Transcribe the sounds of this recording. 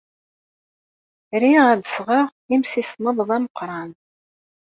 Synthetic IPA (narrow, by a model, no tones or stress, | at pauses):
ɾiʁæðsʁəʁ | imsisnəðˤðˤæməqːɾˤɑn